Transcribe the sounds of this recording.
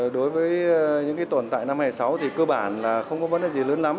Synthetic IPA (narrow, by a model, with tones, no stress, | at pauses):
ɗo˨˦jvəː˨˦jɲɨ̰˧˥ŋka˨˦t̪ə˧˩nt̪a̰ː˧˨jna˧mhaː˧˩jsa˨˦wt̪ʰi˨˩kəː˧ɓaː˧˩nlaː˨˩xə˧wŋ͡mkɔ˨˦ə˦n̚ɗaː˨˩zi˨˩ləː˨˦nla˨˦m